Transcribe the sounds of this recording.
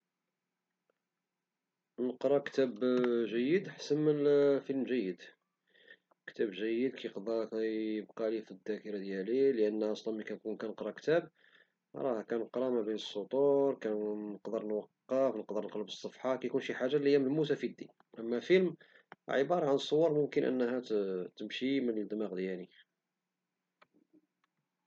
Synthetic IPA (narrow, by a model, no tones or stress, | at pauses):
nəqɾˤɑkt̪æbʒəjːəd̪ħasənmənfilmʒəjːəd̪ | kt̪æbʒæjːəd̪̚kʰæjqd̪kæjəb̚qɑlifid̪ːækəɾad̪jæliləʔənːʔɑsˤlɑnmikænkunkænəqɾˤɑkt̪æb̚ | ɾˤɑkænəqɾˤɑmæbinəsˤːut̪ˤuɾˤkænəqd̪əɾnwɑqːɑfnəqd̪əɾnəqɾɑbəsˤːɑfħɑkæjkunʃiħaʒːalihjːæməlmus̬æfid̪ːḭn | ʔæmːæfilm | ʕəbɑɾˤɑʕanəsˤːowɑɾˤmʊmkənʔə̰nːhæt̪əmʃimənəld̪əmæɣd̪jæli